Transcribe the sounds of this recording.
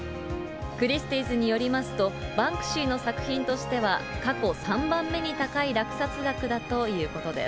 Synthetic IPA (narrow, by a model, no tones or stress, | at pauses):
kɯ̟ɾʲist̪iːzɨɲ̟ijo̞ɾʲimasɨ̥t̪o̞bãŋkɯ̟̥ɕiːno̞sakɯ̟̥çĩnt̪o̞ɕi̥t̪e̞β̞akako̞sãmbãmːe̞ɲ̟it̪akaiɾakɯ̟̥sat͡sɨɡakɯ̟d̪at̪o̞jɯ̟ːko̞t̪o̞d̪e̞̰s